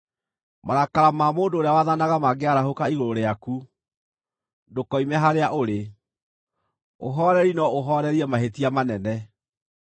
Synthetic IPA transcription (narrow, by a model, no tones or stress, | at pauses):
maɾakaɾamamoːndooɾeawaðanaɣamaɡeaɾahokaiɣooɾeaku | dokɔimɛɦaɾeaʔoɾe | o̰ɦɔɾɛɾinɔoɦɔːɾɛɾiɛmaɦetiamanɛnɛ